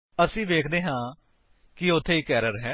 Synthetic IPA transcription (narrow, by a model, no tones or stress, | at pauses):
əsĩːʋeːkʰd̪eːɦãː | kɪʊt̪ʰːeːiːkɛːɾəɾɦɛː